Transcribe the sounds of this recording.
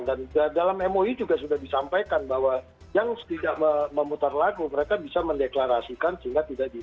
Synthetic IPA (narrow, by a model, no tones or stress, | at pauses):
dandadalamemoid͡ʒuɡasudahdisampajkanbaɦwa | jaŋt̪idaʔəməmut̪arlaɡuməɾekabisaməndeklaɾasikansəɦiŋɡat̪idaʔdi